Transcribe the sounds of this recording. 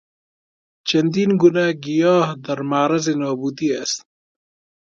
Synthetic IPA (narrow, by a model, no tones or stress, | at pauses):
t͡ʃɐnd̪inɡunaɡijɑːɦd̪ɐɾmaɾɐzenɑːbud̪iast̪